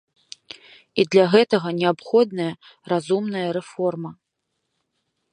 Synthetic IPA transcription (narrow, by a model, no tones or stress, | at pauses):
id̪lʲaɣɛt̪ɐɣɐnʲɛapxɔd̪̚nɐjɐ | razumnɐjɐɾɛfɔrmɐ